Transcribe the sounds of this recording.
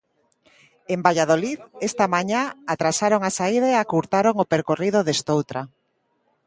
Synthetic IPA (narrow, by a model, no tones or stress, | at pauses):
embaʎað̞oliðest̪amaɲaat̪ɾasaɾoŋasaiðaeakuɾt̪aɾoŋopeɾkoriðoðest̪owt̪ɾa